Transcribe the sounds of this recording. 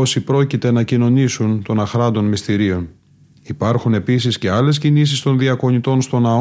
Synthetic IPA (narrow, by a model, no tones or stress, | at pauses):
osipɾo̞cit̪e̞nɐcino̞nisunt̪o̞nɐxɾɐnd̪o̞nmist̪iɾio̞n | ipɐɾxune̞pis̬isce̞ɐle̞s̬cinis̬ist̪o̞nðiɐko̞ɲit̪o̞nst̪o̞nɐ